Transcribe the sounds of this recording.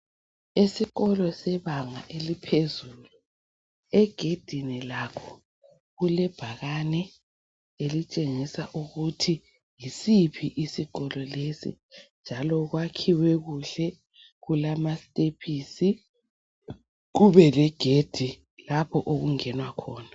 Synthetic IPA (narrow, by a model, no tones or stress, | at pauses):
esiɣɔlɔsɛβaŋa̰ʔelipʰezuːlu | ɛɡ̥ʱed̥ʱinilakʰɔ̥ | ɣulɛb̥ʱaɣanɛ | elit͡ʃʼeŋisaʔuɣutʰi | jisipʰiʔisiɣɔlɔlesḭ | nd͡ʒʱalɔɣwakʰiwɛɣuɬɛ | ɣulamastʼepʰiːsi | ɣuβɛlɛɡ̥ʱed̥ʱi | lapʰɔʔoɣuŋɛnwakʰɔːna